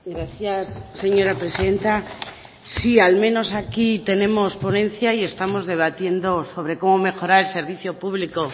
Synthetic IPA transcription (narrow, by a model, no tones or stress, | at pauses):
ɡɾaθjasːe̞ɲo̞ɾapɾe̞siðe̞nt̪a | sialmẽ̞no̞sakit̪e̞nẽ̞mo̞spo̞nẽ̞n̟θjaie̞st̪amo̞zðe̞β̞at̪je̞nd̪o̞so̞β̞ɾe̞ko̞mo̞me̞xo̞ɾaɾe̞lse̞ɾβ̞iθjo̞puβliko̞